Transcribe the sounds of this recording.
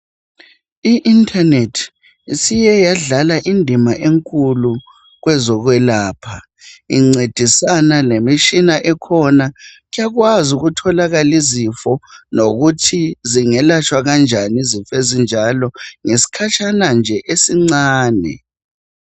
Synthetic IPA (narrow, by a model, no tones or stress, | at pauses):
iʔintʰʼanetʰ | isijɛjaɮalaʔindʱimaʔeŋkʼulu | ɣwɛzɔɣwɛlaːpʰa | iŋ͡ǀed̥ʱisanalemiʃinaʔɛkʰɔnaɣijaɣwazuɣutʰɔlaɣalizifɔnoɣutʰiziŋɛlat͡ʃʰʼwaɣand͡ʒʱanizifezind͡ʒʱalɔŋesi̥kʰat͡ʃʰʼanand͡ʒʱɛʔesiŋ͡ǀaːnɛ̰